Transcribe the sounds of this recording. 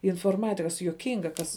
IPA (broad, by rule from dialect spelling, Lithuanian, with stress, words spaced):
ɪnfoːrˈmɑːtʲɪkɐs juɔˈkʲɪŋɡɐ ˈkɐs